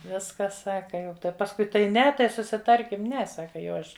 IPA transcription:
ˈʋʲɪskɐs ˈsɑːkɐ ˈjɛʊ ˈtɐɪ pɐsˈkʊɪ tɐɪ ˈnʲɛ tɐɪ sʊsʲɪˈtɐrʲkʲɪm ˈnʲɛ ˈsɑːkɐ jɛʊ ˈɐʃ

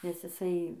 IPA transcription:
nʲɛs ɪˈsɐɪ

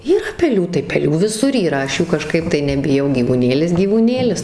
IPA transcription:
iːˈrɐ pʲɛˈlʲuː tɐɪ pʲɛˈlʲuː ʋʲɪˈsʊr iːˈrɐ ˈɐʃ ˈjuː kɐˈʃkɐɪp tɐɪ nʲɛbʲɪˈjɛʊ ɡʲiːʋuːˈnʲeːlʲɪs ɡʲiːʋuːˈnʲeːlʲɪs

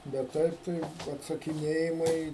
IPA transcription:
bʲɛt ˈtɐɪp tɐɪ ɐtsɐkʲɪˈnʲeːjɪmɐɪ

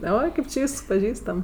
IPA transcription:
ˈoːɪ ˈkɐɪp t͡ʃʲɪ ˈʋʲiːsks pɐˈʒʲiːstɐm

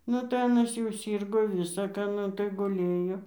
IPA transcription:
ˈnʊ tɐɪ ˈɑːnɐs jɛʊ ˈsʲiːrɡoː ˈʋʲɪsɐ kɑː ˈnʊ tɐɪ ɡʊˈlʲeːjoː

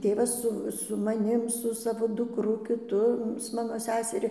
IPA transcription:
ˈtʲeːʋɐs ˈsʊ sʊ mɐˈnʲɪm sʊ ˈsɑːʋoː dʊkˈrʊ kʲɪˈtʊ sʊ ˈmɑːnoː ˈsʲæːsʲɛrʲɪ

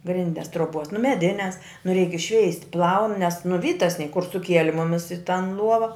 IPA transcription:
ˈɡrʲɪnʲdʲɛs troːˈboːs nʊ mʲɛˈdʲɪnʲɛs nʊ rʲɛɪk ɪʃʲˈʃʲʋʲɛɪsʲtʲ plˠɐʊn nʲɛs nʊ ˈʋʲiːtɐs nʲiɛ kʊr sʊˈkʲiɛlʲɪ ˈmʊmʲɪs ɪ tɐn ˈlˠuɔʋɐ

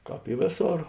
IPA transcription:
ˈkɑːp ɪ ˈʋʲeːˌsoːr

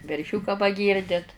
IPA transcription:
ʋʲɛrʲˈʃʲʊkɑː pɐˈɡʲiːrʲdʲɪt

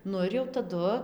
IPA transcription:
ˈnʊ ɪr jɛʊ tɐˈdʊ

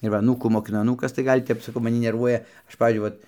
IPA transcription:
ɪr ˈʋɐ ɐˈnuːkuː moːkʲɪˈnʊ ɐˈnuːkɐs ˈɡɐlʲ tʲɛp mɐˈnʲɪ nʲɛrˈʋuɔjɛ ˈɐʃ ˈpɑːʋʲiːzʲd͡ʒʲʊɪ ˈʋɐt

